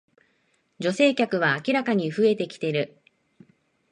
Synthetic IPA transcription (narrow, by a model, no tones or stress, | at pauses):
d͡ʑo̞se̞ːkʲakɯ̟β̞aːkʲiɾakaɲ̟iɸɯ̟e̞t̪e̞kʲi̥t̪e̞ɾɯ̟